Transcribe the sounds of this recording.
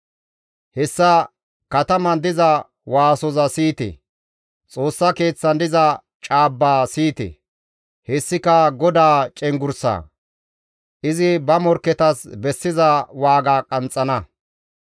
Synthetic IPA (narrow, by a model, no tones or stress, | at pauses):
hɛsːɐ | kɐt̪ɐmɐnd̪ɪzɐ | waːsɔzɐsiːt̪ɛ̰ | t͡sʼo̞ːsːɐke̞ːt͡sːɐnd̪ɪzɐ | t͡ʃʼaːbːaːsiːt̪ɛ̰ | hɛsːɪkɐɡɔd̪aːt͡ʃʼɛŋɡʊɾsa̰ː | ʔɪzɪbɐmɔɾkɛt̪ɐsbɛsːɪzɐwaːɡaːkʼɐnt͡sʼːɐnɐ